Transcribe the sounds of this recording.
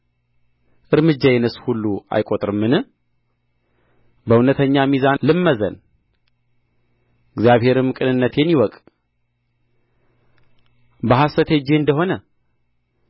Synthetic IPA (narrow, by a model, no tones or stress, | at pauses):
ʔɨɾmɨd͡ʒːajɛnɨshulːua̰jkʼot̪ʼɾɨmːɨnɨ | bəunət̪ʰəɲːamizanlɨmːəzə̰n | ɨɡzjaβhe̞ɾɨmkʼɨnɨnːət̪jɛmːiwɔkʼ | bəɦasət̪ʰed͡ʒːeɨnd̪əɦo̞nə